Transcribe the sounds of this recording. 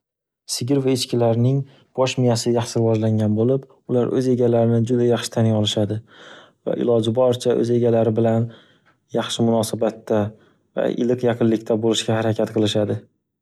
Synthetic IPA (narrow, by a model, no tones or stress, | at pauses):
sɪɡʲɪɾvaɪt͡ʃkʲɪlaɾnɪŋ | b̥ɒʃmɪjasɪjɑχʃɪɾɪvɒd͡ʒlaŋɡʲanbolɪp | ʊlaɾʔɵze̞ɡʲalaɾɪnɪd͡ʒʊd̪ajɑχʃɪ̥t̪ʰanɪɒlˠɪʃad̪ɪ | va̰ʔɪ̰lˠɒd͡ʒɪbɒɾt͡ʃʰaʔɵ̰ze̞ɡʲalaɾɪbɪlan | jɑχʃɪmʊnɒsabat̪ʰːa | va̰ʔɪ̰lɨqjɑqʰɨnlɪkʲt̪ʰabolɪʃkʲahaɾakʲʰat̪qʰɨlˠɪʃad̪ɪ